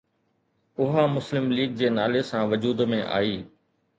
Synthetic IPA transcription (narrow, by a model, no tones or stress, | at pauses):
ʊɦamʊslɪmliːɡ̚d͡ʑeːnaːlesãʋʊd͡ʑuːd̪mẽʔa̰ːiː